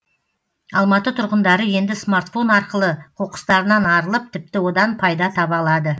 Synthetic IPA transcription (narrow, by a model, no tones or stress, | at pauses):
ɑlˠmɑt̪ət̪ʰʊɾʁənd̪ɑɾəje̞nd̪ɪsmaɾt̪fo̞nɑɾqəlˠəqʰo̞qə̥st̪ɑɾənɑnɑɾəlˠəp̚t̪ʰɪp̚t̪ɪwo̞d̪ɑnpʰɑjd̪ɑt̪ʰɑpɑlˠɑd̪ə